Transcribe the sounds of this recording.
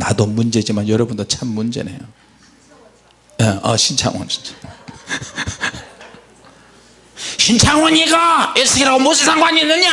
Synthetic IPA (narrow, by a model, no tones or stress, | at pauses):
nadomund͡ʑed͡ʑimajʌɾʌbundot͡ɕʰamːund͡ʑḛnḛjo | jeʌ̰ɕʰint͡ɕʰa̰ŋwa̰nɕʰi̥nt͡ɕʰaŋ | ɕʰint͡ɕʰaŋwaɲiɡaesʰɯɡeɾaɡomosʰesʰaŋbaɲinɯɲa